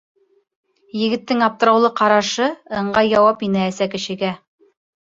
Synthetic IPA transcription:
jɘ̆ɡɘ̆t̪ːɘŋɑp̚t̪ɤ̆ɾɑwlˠɤqɑɾɑʃɤɤ̆ɴɢɑjɑwɑpinæːsækɘ̆ʃɘ̆ɡæ

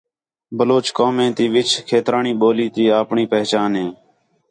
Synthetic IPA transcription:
bəloːt͡ʃkoːmẽːt̪iːʋɪt͡ʃkʰeːt̪ɾaːɳiːɓoːliːt̪iːaːpɳiːpɛɦt͡ʃaːnɦẽː

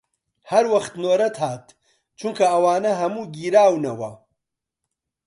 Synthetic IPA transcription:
hɐɾwɐχt̪noːɾɐt̪ʰhaːt̪ | t͡ʃʰuŋkʰɐɐwaːnɐɦɐmuːɡiːɾaːwnɐwɐ̰

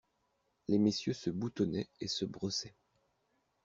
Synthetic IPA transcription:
lemesjøsəbut̪ɔnɛesəbʁɔsɛ

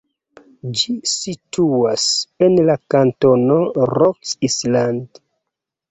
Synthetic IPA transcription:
d͡ʒisitʰuasenlakanto̞noɾoksisland

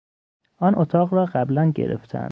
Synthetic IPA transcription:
ʔɒːnʔot̪ʰɒːɣɾɒːɢæblænɟe̞̰ɾḛft̪ʰæ̰nd̪̥

